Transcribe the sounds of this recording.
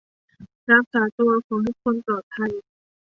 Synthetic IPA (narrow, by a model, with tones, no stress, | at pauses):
ɾa˦˧˥k̚saː˩˦t̪u˧ɐkʰɔː˩˦ŋha˦˥kʰo˧nt̪ɔː˨˩t̪ʰːa˧j